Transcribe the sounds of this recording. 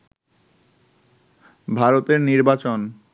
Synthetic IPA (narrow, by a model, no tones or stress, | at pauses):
bʱaɾot̪eɾniɾbat͡ɕon